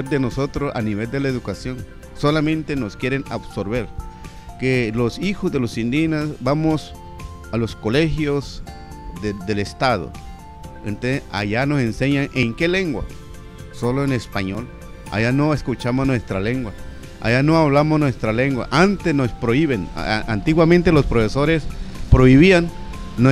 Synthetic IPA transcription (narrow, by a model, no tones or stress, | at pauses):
eɾd̪enosot̪ɾosa̰niβeld̪elaeðukasjoŋ | solamẽnt̪enoskjeɾenabsoɾβeɾ | kelosixozðelosind̪inasbamos | aloskolexjos | d̪ed̪elest̪að̞o̰ | ent̪osesa̰ʝanosenseɲaŋeŋkeleŋɡwa̰ | soloenespaɲol | a̰janoeskut͡ʃamoznwest̪ɾaleŋɡwa | a̰janoaβlamosnwest̪ɾaleŋɡwa̰ʔant̪esnospɾoiβenant̪iɣwamẽnt̪elospɾofesoɾespɾoiβianː